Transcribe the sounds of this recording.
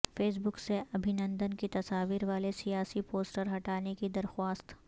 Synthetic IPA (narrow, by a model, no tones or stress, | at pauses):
feːs̬bʊkseɐbʱɪnə̃nd̪ənkit̪ɐsaːʋiɾʋaːlesijaːsipoːsʈəɾɦɐʈaːnekid̪ɐɾxwaːst̪